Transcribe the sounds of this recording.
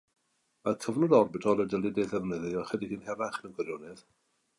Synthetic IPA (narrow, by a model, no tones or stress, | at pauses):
makʰəvnɔdɔrbɪtʰɔlˠɛdəlˠdideðɛvnəðɨɔχwɛdiɡinɦɛvaχnəɡwɛɾjɔnɛð